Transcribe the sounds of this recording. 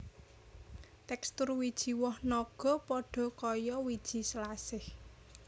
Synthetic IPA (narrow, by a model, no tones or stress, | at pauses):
t̪ɛkst̪ʊrwid̥ʒ̥i̤wɔhnɔɡ̥ɔ̤pɔɖ̥ɔ̤kɔjɔwid̥ʒ̥i̤səlasɪh